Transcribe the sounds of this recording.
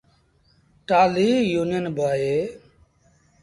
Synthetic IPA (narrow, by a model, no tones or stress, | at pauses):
ʈaːliːjuːnɪjənbʱaːɦeː